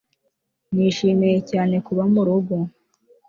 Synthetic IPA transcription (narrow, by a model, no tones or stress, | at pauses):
niːʃiːmeje̞caːne̞kuβamuɾuɡo